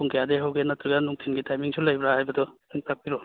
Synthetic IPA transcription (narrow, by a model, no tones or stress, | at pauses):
pʰuŋkʰijadeɦawɡenɐt̪ɾiɡɐnuŋtʰinɡitajmiŋsulɐjbɾahajbɐdɔiŋpak̚piɾo